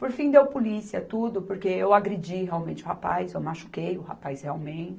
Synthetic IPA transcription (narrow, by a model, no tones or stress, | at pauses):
poɾfĩd̪ewpulisiɐt̪ud̪ʊpoɾkeewaɡɾed͡ʒiheawmẽnt͡ʃɪʊhapa̰jzewmaʃu̥kejʊha̰pajsheawmẽt͡ʃɪ